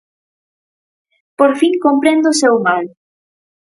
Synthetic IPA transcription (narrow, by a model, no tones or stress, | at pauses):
poɾfiŋkompɾend̪ʊsewmal